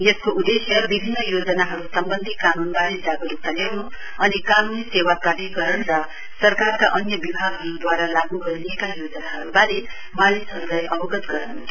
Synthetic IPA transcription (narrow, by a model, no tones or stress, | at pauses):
jʌskoʔud̪esjʌbibʱinːʌjod͡zʌnaɦʌɾusʌmbʌnd̪ʱikanunbaɾed͡zaɡʌɾut̪ʌljawnu | ʌnikanunisewakaɽiɡʌɾʌɳrʌ | sʌrkarkaʔʌnjʌbibʱaɡʱɦʌɾud̪waɾalaɡuɡʱʌɾnekajod͡zʌnaɦʌɾubaɾe | malisɦʌɾulajʔʌbʌɡʌt̪ɡʌɾʌn